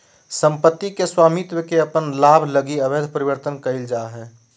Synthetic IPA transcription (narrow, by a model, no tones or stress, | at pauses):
sə̃mpət̪ːikeswaːmit̪wəkeɐpənlaːbʱləɡiɐbed̪ʱpəɾiʋəɾt̪ənkəɪld͡ʒaːɦɛː